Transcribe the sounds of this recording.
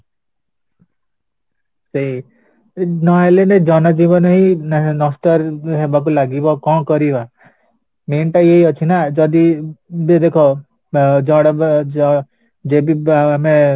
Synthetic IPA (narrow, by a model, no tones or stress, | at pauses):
sei | nɔelened͡ʒɔnad͡ʒibɔnɔɦinɔst̪ɔɾɦɛbak̬ulaɡibɔkɔ̃kɔɾiba | menʈaieɦiɔt͡ʃʰinad͡ʒɔd̪ibed̪ekʰɔ | d͡ʒɔ̃ɽab | d͡ʒebiame